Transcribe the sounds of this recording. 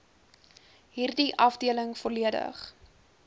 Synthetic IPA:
ɦiːrdiʔɐfdiələŋfɔliədə̰χ

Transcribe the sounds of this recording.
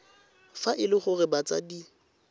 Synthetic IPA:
faʔɪlɪχʊrɪbat͡sʼa̰di

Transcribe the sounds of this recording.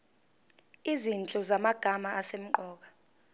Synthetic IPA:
izint͡ɬʼɔzamaɡ̥ʱamaːsem̩ǃɔːk̬ḁ

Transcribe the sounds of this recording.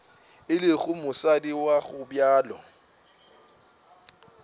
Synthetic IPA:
ɪlɪɣʊmʊsadiwaɣʊbjaːlɔ

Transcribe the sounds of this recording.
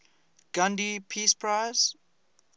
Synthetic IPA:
ɡ̥ãndipʰispʰɹajz̥

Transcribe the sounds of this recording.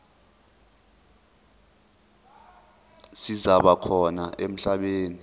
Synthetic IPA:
sizaɓakʰɔnaʔem̩ɬaɓeːni

